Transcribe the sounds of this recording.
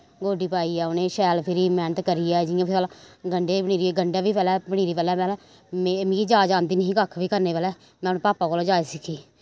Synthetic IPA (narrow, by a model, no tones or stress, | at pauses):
ɡoːɖiːpaːiːɛːʊnẽːʃɛːlpʰɪɾiːmɛːnət̪kəɾɪjɛːd͡ʒɪjãːpʰɪlɡəɳɖeːpəɽ̃iːɾieɡəɳɖɛːʋiːpɛːlɛːpəɽ̃iːɾiːpɛːlɛːpɛːlɛː | memĩːiːd͡ʒaːd͡ʒãːnd̪iːnəɦĩːkəkʰʋiːkəɾneːpɛːlɛː | mɛ̃ːnːpaːpaːkoːlad͡ʒaːesɪkʰiː